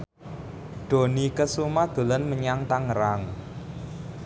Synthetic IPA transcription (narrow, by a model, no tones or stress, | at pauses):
ɖ̪̥o̤nikəsumad̪̥o̤lənməɲaŋt̪aŋəɾaŋ